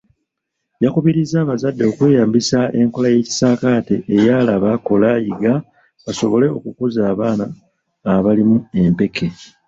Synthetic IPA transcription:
jakuβiɾizaːβazadːe̞okwe̞ːjaːmbisae̞ŋko̞laje̞ːci̥saːkate̞ːjalaβako̞lajiɡa | βaso̞βo̞le̞o̞kukuzaːβaːnaː | βalimue̞mpe̞kʰe̞

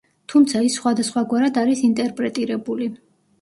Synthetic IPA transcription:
t̪ʰumt̪sʰaisχwad̪asχwaɡwaɾad̪aɾisint̪ʼɛɾpʼɾɛt̪ʼiɾɛbuli

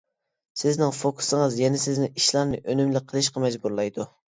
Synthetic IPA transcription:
sɪznɪŋfokʰu̥sɨŋɨzjɛnɛsɪznɪiʃlˠɑɾnɨʔønymlɪqʰəlˠɨʃqɑmɛd͡ʒbuɾlˠɑjd̪u

